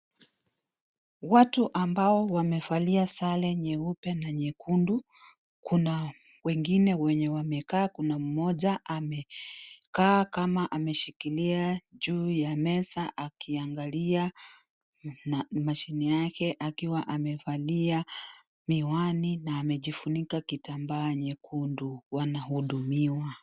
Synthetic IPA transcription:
watuʔambaɔwamɛfaliasalɛɲɛupɛnaɲɛkundu | kʰuna | wɛŋɡinɛwɛɲɛwamɛkaːkunam̩mɔʄaʔamɛkaːkamaʔamɛʃikiliaʄuːjamɛsaʔakʰiaŋɡalia | nmaʃinijakɛʔakiwaʔamɛvalia | miwaninaːmɛʄifunikakitambaːɲɛkʰunduwanaɦuɗumiwa

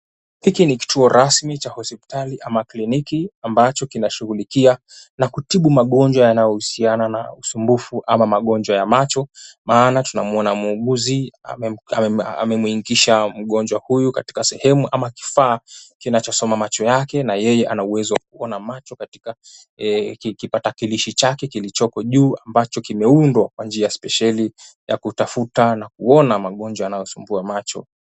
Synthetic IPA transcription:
hikiniki̥tʰuɔɾʔasmit͡ʃahɔspi̥taliʔamaklinikiambat͡ʃɔkinaʃuɣulikia | nakutiɓumaɠɔnd͡ʒwajanajɔhusianana̰usumbufuʔamamaɠɔnd͡ʒwajamat͡ʃɔmaːnatunamuɔnamuuɠuzia̰ɛaɛa̰mɛmwiŋkiʃam̩ɠɔnd͡ʒwahujukati̥kasɛhɛmuʔamaki̥faːkinat͡ʃɔsɔmamat͡ʃɔjakɛnajɛjɛʔanauwɛzɔwak̚uɔnamat͡ʃɔkati̥ka | kipatakiliʃit͡ʃakɛkilit͡ʃɔkɔʄuːambat͡ʃɔkimɛundwakwand͡ʒiaspɛʃali | ja̰kutafutanak̚uɔnamaɠɔnd͡ʒwaːnajɔsumbuamat͡ʃɔ̰

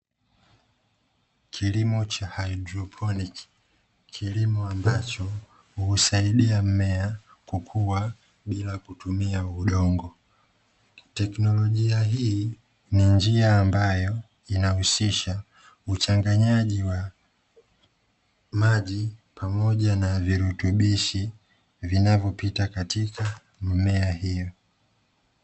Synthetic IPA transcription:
kʰilimɔt͡ʃahajidɾɔpʰɔnik | kʰilimuambat͡ʃɔ | huːsaiɗiam̩mɛa | kukʰuwa | ɓilakutumiauɗɔŋɡɔ | tɛknɔlɔʄiaɦi | nind͡ʒiaːmbajɔ | inahusiʃa | ut͡ʃaŋɡaɲaʄiwa | maʄipʰamɔʄanaviɾutuɓiʃi | vinavjɔpitakatika | m̩mɛahijɔ

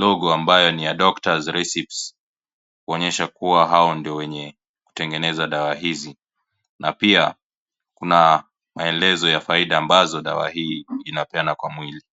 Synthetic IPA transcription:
lɔɡɔambajɔnijaɗɔktazɾɛsips | kuɔɲɛʃakuwaɦaɔndiɔwɛɲɛ | ku̥tɛŋɡɛnɛzaɗawaɦizi | napia | kuna | maɛlɛzɔjafaiɗaːmbazɔɗa̰wa̰hiːinapɛanakwamwili

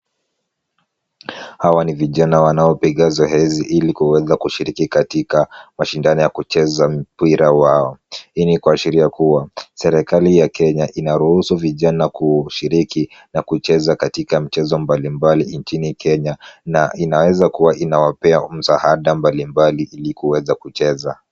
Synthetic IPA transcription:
hawaniviʄanawanaɔpiɠazɔɦɛziʔilikuwɛzakuʃiɾikikatikamaʃindanɔjakut͡ʃɛzam̩piɾawaɔinikwaːʃiɾiakuwasɛɾɛkalijakɛɲaʔinaɾuhusuviʄanakuʃiɾiki | nakut͡ʃɛzakatikam̩t͡ʃɛzɔmbalimbalint͡ʃinikʰɛɲanainawɛzakuwaʔinawapɛam̩sahaɗambalimbaliʔilikuwɛzakut͡ʃɛza

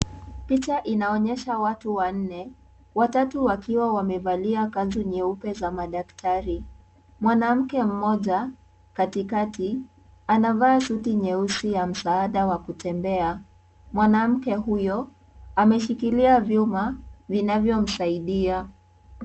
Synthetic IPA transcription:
pit͡ʃaʔinaɔɲɛʃawatuwan̩nɛ | watatuwakʰiwawamɛvaliakazuɲɛupɛzamaɗaktʰaɾi | mwanam̩kɛm̩mɔʄa | katikati | anavaːsutiɲɛusijam̩saːɗawakutɛmbɛa | mwanam̩kɛɦujɔ | amɛʃikiliavjumavinavjɔm̩saiɗia

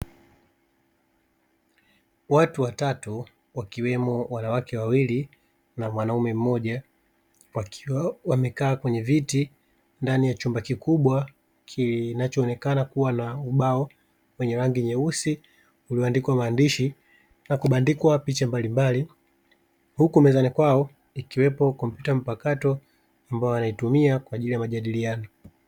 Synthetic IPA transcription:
watuwatatu | wakiwɛmɔwanawakɛwawili | namwanaumɛm̩mɔʄa | wawamɛkaːkwɛɲɛviti | ndanijat͡ʃumbakikuɓwa | kʰinat͡ʃɔːnɛkanakuwanauɓaɔ | wɛɲɛɾaŋɡiɲɛusi | uliɔandikwamaːndiʃi | nakuɓandikwapit͡ʃambalimbali | hukumɛzanikwaɔ | ikiwɛpɔkɔmpjutam̩pakatɔ | ambajɔanaitumiakwaːʄilijamaʄaɗilianɔ

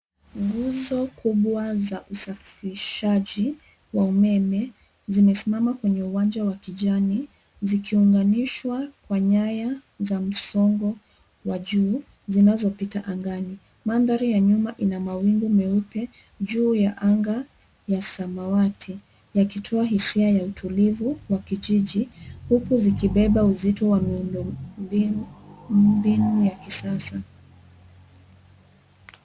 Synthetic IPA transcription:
ŋɡuzɔkuɓwazaʔusafiiʃaʄi | waumɛmɛ | zimɛsimamakwɛɲɛuwand͡ʒawakiʄani | zikʰiuŋɡaniʃwakwaɲaja | zam̩sɔŋɡɔ | waʄuː | zinazɔpitaʔaŋɡani | mandaɾijaɲumaʔinamawiŋɡumɛupɛ | ʄuːjaʔaŋɡa | jasamawatʰi | jakitʰɔaɦisiajautʰulivuwakiʄiʄihukuzikiɓɛɓauzitɔwamiundɔmbi | mbinujakisasa

